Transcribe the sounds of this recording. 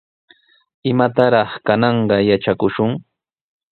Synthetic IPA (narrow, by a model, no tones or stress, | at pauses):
ɪmat̪aɾɑχkanɑɴɢɑjat͡ʃakʊʃʊŋ